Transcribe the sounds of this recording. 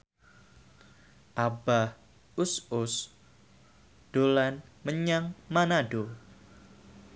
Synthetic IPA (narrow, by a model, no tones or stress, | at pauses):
ʔabah | usʊs | ɖ̥olanməɲaŋmanaɖo